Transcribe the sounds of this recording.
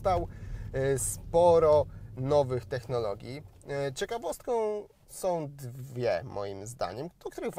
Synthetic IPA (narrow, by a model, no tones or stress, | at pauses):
t̪aw | spɔɾɔnɔvɘxt̪ɛxnɔlɔɡʲjit͡ɕɛkavɔst̪̚kɔ̃w̃ | sɔ̃w̃d̪vʲjɛ̰mɔ̰jimzd̪a̰ɲɛmk̪kt̪uɾɘɣv